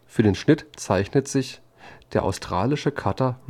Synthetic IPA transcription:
fyːɐdeːnʃnɪtt͡saɪçnətz̥ɪç | d̥eːɐʔa̰ʊstʁ̥aːlɪʃəkʰatɐ

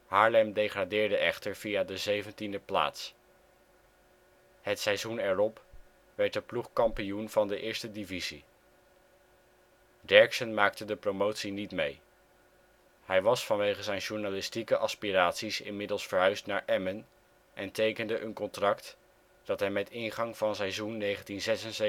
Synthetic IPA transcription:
ɦaːɹlɛmdejχradɪːɹdəʔɛχtəɹvijadəzejvəntindəpla̰ːts | hətsɛjzunɛɹɔp | ʋɛɹt̚dəpluχkɑmpijunv̥ɑndəʔɪːɹstədivizi | dɛɹksənmaːk̚tədəpromowtsinitmej | hɛjʋɑsfɑnʋejχəzɛjnʒuɹnalɪstikəʔɑspiraːtsisɪ̰nmɪdəlˠsfəɹɦœɥstnaːɹʔɛmən | ʔɛntejkəndəʔənkɔntrɑkt | d̥ɑtɦɛjmɛtɪnχɑŋvɑnsɛjzunːejχəntinzɛsənze

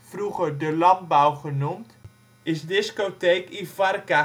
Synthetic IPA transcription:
fruχəɹdəlɑnd̚bawχənumt | ɪsdɪskotejkifɑrka

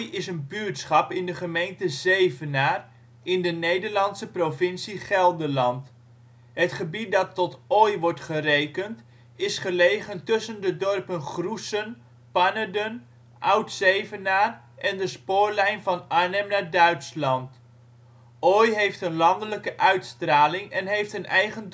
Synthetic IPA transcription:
jɪsənbyːtsχɑpɪndəχəmejntəzejvənaːr | ɪndənejdəɹlɑnsəprovɪnsiχɛlˠdəlɑnt | ɦətχəbit̚dɑtɔtɔjʋɔɹtχərejkənt | ɪsχəlejχəntɵsəndədɔrpənχrusən | panədən | ʔʌwtsejvənaːr | ʔɛndəspʊːɹlɛjnvɑnanəmnaːɹdœɥtslɑnt | ɔjɦejftənlɑndələkəʔœɥtstraːlɪŋɛnɦejftənɛjχən

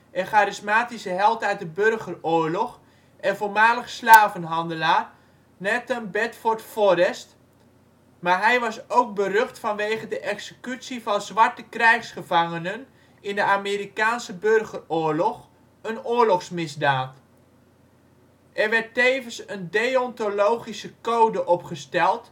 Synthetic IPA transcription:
əχaːɾɪsmaːtisəɦɛlˠtœɥt̚dəbørχəroːɹlɔχ | ʔɛnvolmaːləχslaːvənɦɑndəlaːr | nɛtənbɛtfɔɹtfɔɾɛst | maːɹɦɛjʋɑsowk̚bərøχtfɑnʋeːχədəʔɛksəkytsivɑnzʋɑɹtəkrɛjχsχəvɑŋənən | ɪndəaːmiːɾikaːnsəbɵrχərʊːɹlɔχ | ənʊːɹlɔχsmɪzdaːt | ʔɛrʋɛɹtejvənsəndejɔntolowχisəkowdəʔɔpχəstɛlˠt

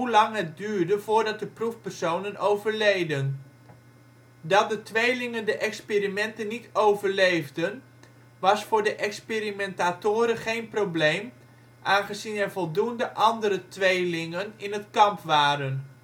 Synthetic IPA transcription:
ɦulɑŋɦət̚dyːɹdəvʊːɹdɑt̚dəprufpərsownənowvəɹlejdən | dɑt̚dətʋejlɪŋəndəʔɛkspeːɾimɛntənːitʰowvəɹlejvdən | ʋɑsfʊːɹdəʔɛksperimɛntatʊːɾəχejnprowblejm | ʔaːnχəzinɛɹvɔlˠdundəʔɑndəɾətʋejlɪŋənɪnɦətkɑmpʋaːɾən

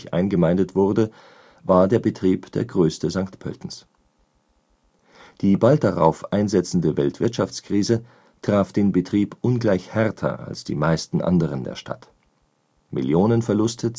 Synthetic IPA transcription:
çʔa̰ɪnɡəmaɪndətv̥ʊʁdə | vaːɐdeːɐbətʁ̥iːpd̥eːɐɡʁøːstəzaŋktpʰœ̰ltn̩s | d̥iːbalt̚d̥aʁa̰ʊfʔaɪnzɛt͡sn̩dəvɛltv̥ɪɐtʃaft͡skʁ̥iːzə | tʁ̥aːfd̥eːnbətʁ̥iːpʔʊnɡlaɪçhɛʁtʰɐ̰ʔa̰lsd̥ḭːmaɪstn̩ʔa̰ndəʁ̞əndḛːɐʃtʰa̰t | mɪ̰ljoːnənfɛɐlʊstʰə

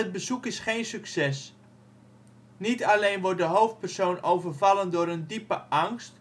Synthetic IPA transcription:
əd̚bəzukɪsχejnsyksɛs | nitɑlejnʋɔɹt̚dəɦowft̚pərsownowvərvɑləndʊːɾəndipəʔɑŋst

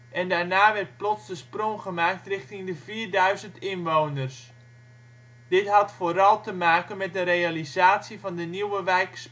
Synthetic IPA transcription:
ʔɛndaːrnaːʋɛrt̚plɔtsdəsproŋχəmaːk̚trɪxtɪŋdəviːrdœɥzəntɪnʋownərs | d̥ɪtɦɑtfoːɾɑlˠtəmaːkənmɛt̚dəɾejalizaːtsjivɑndəniwəʋɛjks

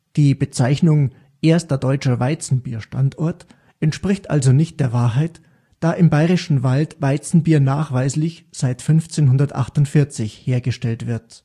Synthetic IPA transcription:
d̥iːbət͡saɪçnʊŋ | ʔeːɐstɐdɔʏt͡ʃɐvaɪt͡sn̩biːɐʃta̰ntɔɐt | ʔɛntʃpʁ̥ɪçtʔa̰lzonɪçt̚d̥eːɐvaːɐɦaɪt | d̥aːʔɪmbaɪʁɪʃn̩valtvaɪt͡sn̩biːɐnaːχv̥aɪslɪçz̥aɪtfʏnft͡seːnɦʊndɐtʔa̰χtʊntfɪɐt͡sɪçheːɐɡəʃtɛltv̥ɪɐt

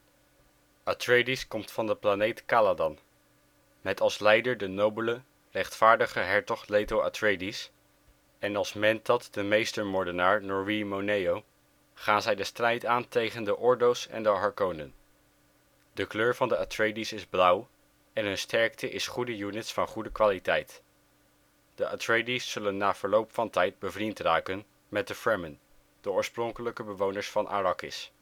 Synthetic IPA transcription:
atrejdiskɔmtfɑndəplanejtkaːladɑn | mɛtɑlˠslɛjdəɹdənowbələ | rɛχtfaːɹdəχəɦɛɹtɔχlejtowʔa̰tɹejdis | ɛnɑlˠsmɛntɑtd̥əmejstəɹmɔɹdənaːɹnɔɹimonejow | χaːnzɛjdəstrɛjtaːntejχəndəʔɔɹdowsɛ̰ndəɦɑɹkownə̰n | d̥əkløːɹvɑndəatɹejdisɪzblʌw | ɛnɦɵnstʰɛɹktʰəʔɪsχudəjunɪtsfɑnχudəkʋaːlitɛjt | d̥əʔatɹejdisːɵlənːaːv̥əɹlowpfɑntɛjd̚bəvrintraːkən | mɛt̚dəfɹɛmən | d̥əɔːɹsprɔŋkələkəbəʋownəɹsfɑnʔa̰rɑkɪ̰s

